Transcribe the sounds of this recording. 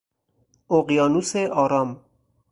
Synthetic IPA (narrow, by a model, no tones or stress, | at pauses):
oɣjɑːnuseʔɒːɾɑm